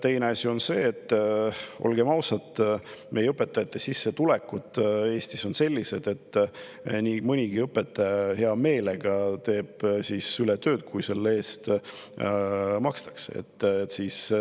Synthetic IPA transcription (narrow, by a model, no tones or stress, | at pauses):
t̪e̞jne̞ɑsʲio̞nse̞ːt̪ːʔo̞̰lɡ̥e̞mɑwsɑt̪ːˑmejɤpːˑe̞t̪ːˑɑjɑt̪ːesisːe̞t̪ulekːut̪ˑːe̞ːsʲt̪iso̞nse̞lʲːise̞d̪̥e̞t̪ː | niːmɯnʲiɡ̥iɤpːe̞t̪ːˑɑjɑhe̞ɑme̞ːleɡ̥ɑt̪e̞ːb̥sisylet̪ø̞ːt̪̚kujse̞lːee̞ːst̪ | mɑkst̪ɑ̥ksḛḛt̪ːt̪siːs